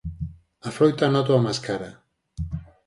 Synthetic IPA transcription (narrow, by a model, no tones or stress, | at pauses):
afɾojt̪anat̪̬oamaskaɾa